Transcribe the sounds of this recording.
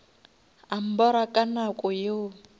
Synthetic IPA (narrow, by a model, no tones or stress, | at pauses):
am̩bɔɾakʼanakʼʊjo